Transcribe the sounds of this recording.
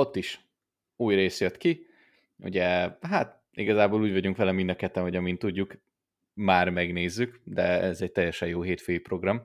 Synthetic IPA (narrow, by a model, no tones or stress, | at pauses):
o̞t̪ːiʃ | uːjreːsjøt̪ki | ṵɟɛɦaːt̪ | ḭɡɒzaːboːluːɟvɒɟuŋkʋɛlɛmind̪ɒkɛt̪ːɛno̞ɟɒmint̪ːuɟːuk | maːrmɛɡneːzːykd̪ɛɛzɛc̚t̪ɛjɛʃɛjoːɦeːt̪føːjipro̞ɡrɒm